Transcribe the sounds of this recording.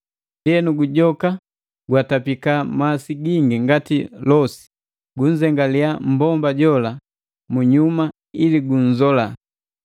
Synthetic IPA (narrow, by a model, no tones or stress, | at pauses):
diɛnuɡuɟɔka | ɡwatapikamasiɡiŋɡiŋɡatilɔsi̥ | ɡuɲzɛŋɡaliam̩bɔmbaɟɔla | muɲuma | iliɡuɲ̩zɔla